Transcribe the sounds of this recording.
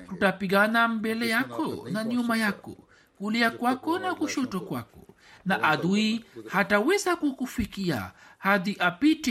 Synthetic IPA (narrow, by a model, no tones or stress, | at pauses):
hutapiɠanambɛlɛjakʰɔnaɲumajakɔ̰ | kuliakwakɔnakuʃɔtɔkwa̰kɔ̥̰ | naʔaðuihatawɛzakukufikia̰haðiʔapitɛ